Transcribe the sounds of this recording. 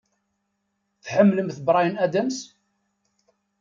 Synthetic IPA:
θħəmːləmθəbɾˤɑjənæd̪æms

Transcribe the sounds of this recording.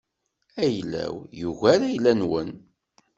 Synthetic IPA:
æjlːæ̰wjuʝæɾæjlːænwən

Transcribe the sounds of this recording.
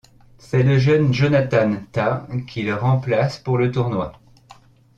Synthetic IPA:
sɛləʒənʒonat̪ant̪akʲʰiləʁɑ̃plaspuʁlət̪uʁnwa

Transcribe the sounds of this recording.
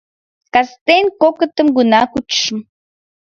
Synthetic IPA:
kɑst̪enʲkokət̪ə̆mɡunɑkut͡ʃʃəm

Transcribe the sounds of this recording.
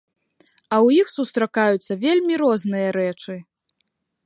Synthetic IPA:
ɐwjixsust̪ɾakajut̪sːɐvʲelʲmʲiɾɔznɨjɐɾɛt͡ʂɨ

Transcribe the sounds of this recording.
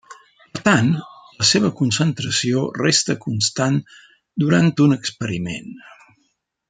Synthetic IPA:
pəɾt̪anləseβ̞əkunsənt̪ɾəsiorest̪əkunst̪an | d̪uɾant̪unəkspəɾimḛn

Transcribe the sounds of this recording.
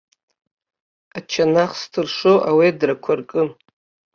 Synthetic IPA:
at͡ʃʰanaχstʰɨrʂoʔawidrakʷʰarkʼɨ

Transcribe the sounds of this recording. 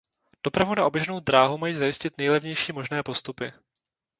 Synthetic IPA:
d̥o̞pɾavunaʔo̞bjɛʒnowd̪ɾaːɦumajiːzajɪscɪt̪nɛjlɛvɲɛjʃiːmo̞ʒnɛːpo̞st̪upɪ

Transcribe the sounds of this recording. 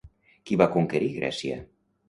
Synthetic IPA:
kiβakuŋkeɾiɣɾɛ̰siə̰

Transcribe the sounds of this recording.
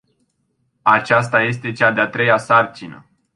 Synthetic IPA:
at͡ʃast̪aje̞s̬t̪e̞t͡ʃad̪eat̪ɾe̞jasart͡ʃinə̰

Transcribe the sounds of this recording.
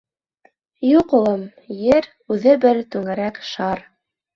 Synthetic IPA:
juqulˠɤm | jɘɾ | ʉðɘbɘɾt̪ʉŋæɾækʃɑɾ

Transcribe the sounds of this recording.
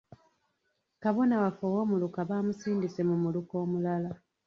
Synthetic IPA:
kaβo̞nawafowo̞ːmulukaβaːmusiːndise̞mumuluko̞ːmulala

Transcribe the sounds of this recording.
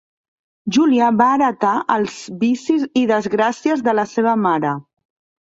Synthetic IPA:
ʒuliəβaːɾət̪aʔəlˠz̥bisiziðəzɣɾasiəzðələseβ̞əmaɾə

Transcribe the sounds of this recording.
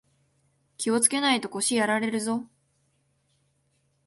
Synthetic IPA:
kʲio̞t͡sɨ̥ke̞nait̪o̞ko̞ɕijaɾaɾe̞ɾɯ̟zo̞

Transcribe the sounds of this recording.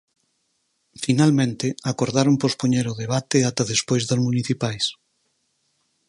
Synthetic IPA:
finalmẽnt̪ɪakoɾðaɾompospoɲeɾʊðeβ̞at̪eat̪aðespojzðozmuniθipajs

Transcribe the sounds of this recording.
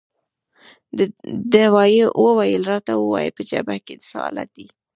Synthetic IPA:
d̪awɑjewʔəwajəlɾɑt̪awəwɑjepəd͡ʒa̰baked̪əsaɑ̰la̰t̪̚d̪i

